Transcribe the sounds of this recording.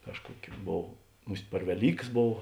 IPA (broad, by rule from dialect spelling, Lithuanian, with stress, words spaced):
ˈkɑːʃkuɔkʲʊ ˈboːw ˈmʊsʲtʲ pʲɛr ʋʲɛˈlʲiːkɐs ˈboːw